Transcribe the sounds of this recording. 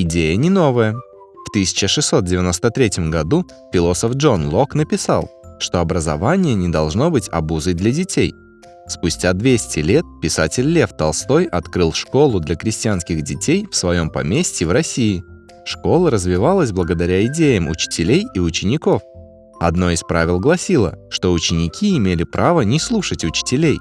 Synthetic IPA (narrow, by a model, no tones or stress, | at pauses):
ɪdʲejənʲɪno̞vəjə | ft̪ɨsʲɪ̥t͡ɕəʂɨsːo̞t̪̚dʲɪvʲɪno̞st̪ət̪ɾʲetʲɪmɡɐd̪u | fʲɪlˠo̞səfʐo̞nlˠo̞knəpʲɪsa̰lˠʂt̪o̞ɐbɾəzɐ̰vanʲɪjənʲɪd̪ɐlˠʐno̞bɨtʲɐ̰buzɨjd̪lʲədʲɪtʲej | spʊsʲtʲad̪vʲesʲtʲɪlʲet̪̚pʲɪsatʲɪlʲlʲe̞ft̪ɐlˠst̪o̞jɐt̪kɾɨlˠʂko̞lˠʊd̪lʲɐkɾʲɪsʲtʲɪjanskʲɪɣdʲɪtʲejfsvɐjo̞mpɐmʲesʲtʲɪvɾɐsʲijɪ | ʂko̞lˠəɾəzvʲɪvalˠəsʲblˠəɡəd̪ɐɾʲaɪdʲejəmʊ̰t͡ɕɪ̥tʲɪlʲejɪʊt͡ɕɪnʲɪko̞f | ɐd̪no̞ɪspɾavʲɪlˠɡlˠɐsʲilˠə̰ʂt̪o̞ʊt͡ɕɪnʲɪkʲiɪmʲelʲɪpɾʔavənʲɪslˠuʂətʲʊt͡ɕɪ̥tʲɪlʲej